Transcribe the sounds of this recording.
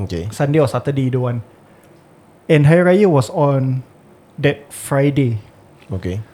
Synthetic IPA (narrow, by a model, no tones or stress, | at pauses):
okesãndeɔsat̪ədeduwãn | ɛ̃nɦajɹajəwɔsɔ̃n | dɛt̚fɹajde | oke